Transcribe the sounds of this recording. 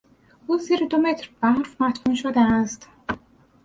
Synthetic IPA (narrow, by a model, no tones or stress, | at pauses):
ʔuːziːɾed̪omet̪ʰɾb̥æɾfmæt̪ʰkuːnʃod̪ææst̪